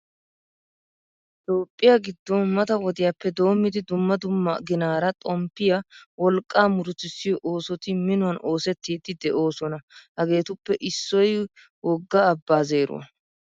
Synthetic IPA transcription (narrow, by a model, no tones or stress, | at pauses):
ɪt̪o̞ːpʼːɪjɐɡɪd̪ːɔnmɐt̪ɐwɔd̪ɪjapːɛd̪o̞ːmːɪd̪ɪd̪ʊmːɐd̪ʊmːɐɡɪnaːɾɐt̪ʼɔmpːɪjɐwɔlkʼːaːmʊɾʊt̪ːɪsːɪjɔʔoːsɔt̪ɪmɪnʊwɐno̞ːsɛt̪ːiːd̪ɪd̪ɛʔo̞ːsɔnɐhɐɡe̞ːt̪ʊpːɛʔɪsːɔj | wɔɡːɐːbːaːze̞ːɾʊ̰